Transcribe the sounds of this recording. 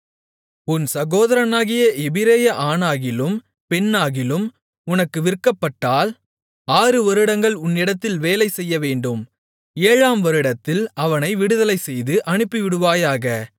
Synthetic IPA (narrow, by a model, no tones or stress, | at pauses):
ʊnsɐɣoːðɐɾɐnaːɣɪjɐʔɛbɪɾeːjɐʔaːnaːɣɪlɯm | pɛnːaːɣɪlɯm | ʊnɐkːɯʋɪɾkːɐpːɐʈːaːl | aːɾɯʋɐɾɯɽɐŋɡɐɭʊnːɪɽɐt̪ːɪlʋeːlɐɪsɛjːɐʋeːɳɖɯm | eːɻaːmʋɐɾɯɽɐt̪ːɪlɐʋɐnɐɪʋɪɽɯðɐlɐɪsɛjðɯʔɐɳɯpːiʋɪɽɯʋaːjaːɣɐ